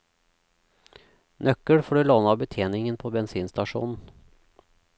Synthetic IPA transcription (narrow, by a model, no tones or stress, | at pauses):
nʔœkːəɽfoːɖʉloːnaɑbət̪ʰeːnɪŋənpʰɔbɛnsiːnst̪ɑʂṵːnn̩